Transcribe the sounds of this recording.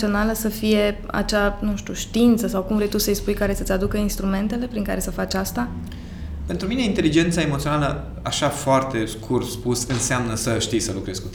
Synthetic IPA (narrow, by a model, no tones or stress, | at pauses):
io̞naləsəfije̞ | a̰t͡ʃanuʃt̪uʃt̪iint̪səsawkumvɾe̞jt̪usəjspujkaɾe̞sət̪ʲad̪ukəinst̪ɾume̞nt̪e̞le̞pɾiŋka̰ɾe̞səfat͡ʃʲast̪a | pent̪ɾumine̞int̪e̞lid͡ʒe̞nt̪saemot̪sionalə | aʃafoart̪e̞skʰurt̪spusɨnseamnəsəʃt̪ijsəlukɾe̞z̥kut̪